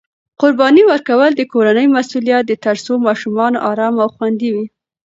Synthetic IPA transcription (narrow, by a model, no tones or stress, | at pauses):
qʊɾbɑniwəɾkawəld̪əkoɾanəjmasulijat̪̚d̪ət̪aɾsomɑʃumɑnoʔɑɾɑmawxwand̪iwi